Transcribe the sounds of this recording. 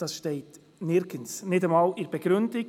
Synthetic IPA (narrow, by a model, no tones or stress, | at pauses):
d̥ɑsʃteɪt | nɪɾɡ̥ənsnɪdəmɑːlɪɾb̥əɡɾʏndɪ